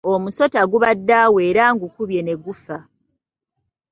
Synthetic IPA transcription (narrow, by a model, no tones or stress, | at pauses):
omuso̞taɡuβadːaweːɾaːŋɡukuβje̞ne̞ɡufa